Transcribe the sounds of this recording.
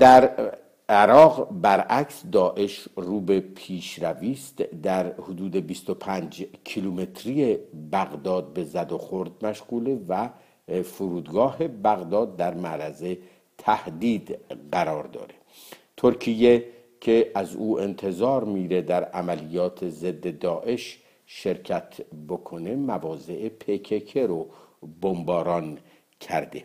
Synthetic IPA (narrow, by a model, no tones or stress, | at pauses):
d̪̥æɾ | eɾɒːɣbæɾæksd̪ɒːʔe̞ʃruːbe̞pʰiːʃɾæviːst̪d̪æɾhod̪uːd̪e̞bist̪opʰænd͡ʒcʰilume̞t̪ʰɾijebæɣd̪ɒːd̪̚be̞zæd̪oxo̞ɾd̪̚mæʃʁuːlevæ | foɾuːd̪ɡɒːɦe̞bæɣd̪ɒːd̪̚ːæɾmæɾæze̞ | t̪ʰæhd̪iːd̪ɢæɾɒːɾd̪ɒ̰ːɾe | t̪ʰoɾcʰije̞ | cʰe̞æzuːʔent̪ʰe̞zɒːɾmiːɾe̞d̪æɾæmælijɒːt̪ʰe̞ze̞d̪ːe̞d̪ɒːʔe̞ʃ | ʃe̞ɾcʰæt̪ʰbo̞kʰo̞ne̞mævɒːze̞ʔepʰecʰekʰeɾobombɒːɾɒn | cʰæ̰ɾd̪e